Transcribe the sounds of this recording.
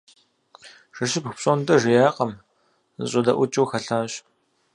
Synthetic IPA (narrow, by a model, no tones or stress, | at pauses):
ʐ̥ɨʃɪpxʷpɕʼondɐʐɪjaːqɐm | zɨ̰ɕʼɐdɐ̰ʔʷʊt͡ʃʼuwxɐɬaːɕ